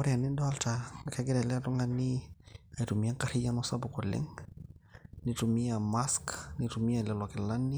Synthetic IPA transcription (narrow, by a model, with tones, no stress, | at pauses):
ɔ˦ɾia˨ni˦dɔ˦a˦lta˨a˨kaɡɛ˦dɛ˨lɛ˦tɔ˦ŋɡa˦nia˨tu˨mi˨a˦ŋka˦ɾi˦ja˦nɔ˦sabʊ˨ko˨lɛ̰ŋ | nitu˨mi˦jama˦skni˨tu˨mi˦ja˨lɛ˨la˨kɛ˨la˦nːi˦